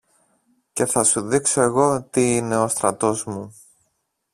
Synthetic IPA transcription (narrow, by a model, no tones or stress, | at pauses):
ce̞θɐsuðikso̞e̞ɣo̞t̪iine̞o̞st̪ɾɐt̪o̞zmu